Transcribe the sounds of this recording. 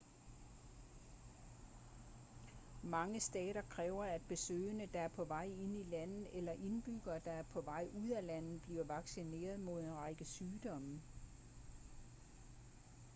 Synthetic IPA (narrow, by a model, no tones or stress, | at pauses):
mɑ̈ŋəsd̥ɛ̰ːɾ̥ɐkʰʁɛːʊɐæd̥̚b̥e̝sø̰ːɪənəd̥ɑ̈æɐpʰɒ̽ʋɑ̈ɪe̝n̰ilæn̰ð̩ˠelɐʔe̝nb̥yɡ̥ɐːd̥ɑ̈æɐpʰɒ̽ʋɑ̈ɪ̰ʔuð̰ˠælæn̰ð̩ˠb̥lḭːɐʋɑ̈ɡ̥sine̝̰ːɐð̞̩ˠmo̝ð̞̰ˠenʁɑɪɡ̥əsyːd̥ɒ̽m